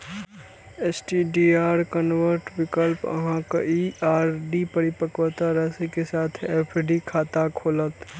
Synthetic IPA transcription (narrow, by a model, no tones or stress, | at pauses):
eːsʈiɖiːaːɾkənʋəɾʈʋɪkəlpə̰ɦãka̰iaːɾɖipəɾɪpəkʋət̪aɾɛːsekesaːt̪ʰeːpʰɖikʰaːt̪akʰoːlət̪